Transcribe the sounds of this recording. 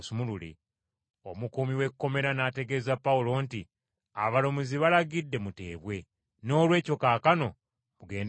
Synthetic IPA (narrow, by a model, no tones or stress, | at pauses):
sumululḭ | o̞mukumiwe̞kkːo̞me̞ɾanaːteɡe̞ːzapːaulo̞ːnti | a̰βalo̞muziβalaɡidːe̞mute̞̰ːβwe̞ | no̞ːlwe̞ːco̞kaːkano̞ | muɡe̞ːnd